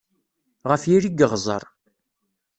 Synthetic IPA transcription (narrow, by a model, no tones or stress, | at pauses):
ʁəfjiɾiɡəʁzˤə̰ɾˤ